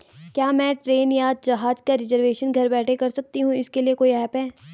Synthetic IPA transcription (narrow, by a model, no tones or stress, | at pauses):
kjaːmɛ̃ːʈɾeːnjaːd͡ʒɐɦaːd͡ʒkaɾɪzəɾʋeːʃənɡʱɐɾbɛːʈʰekɐɾsɐk̚t̪iɦũɪskeliekoːiɦɛːpɦɛː